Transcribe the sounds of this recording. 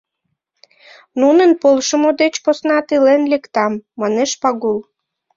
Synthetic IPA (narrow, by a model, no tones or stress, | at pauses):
nunənpolʃəmod̪et͡ɕposnɑt̪ilenlekt̪ɑmːɑneʃpɑɣul